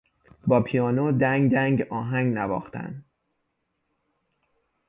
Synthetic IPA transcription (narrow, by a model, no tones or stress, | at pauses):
bɒːpʰijɒːnod̪æŋɡd̪æŋɡɒːɦæŋɡnævɒ̰ːxt̪ʰæ̰nd̪